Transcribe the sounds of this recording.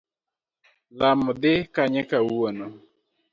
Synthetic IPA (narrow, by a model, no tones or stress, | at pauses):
lamɔd̪ɪkaɲɛkawono